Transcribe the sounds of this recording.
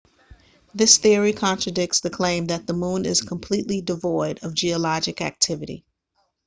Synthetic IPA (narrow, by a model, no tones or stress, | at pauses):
ðɪsθɪɹikʰɑ̃nt͡ʃɹ̥ɨdɪk̚tsðɨkʰl̥ẽɪ̃mðɨt̪̚ðəmũnɪz̥kʰə̃m̩pʰl̥itˡlidɨvɔɪɾʌvd͡ʒiəlɑd͡ʒɨkæ̰k̚tʰɪvɨɾḭ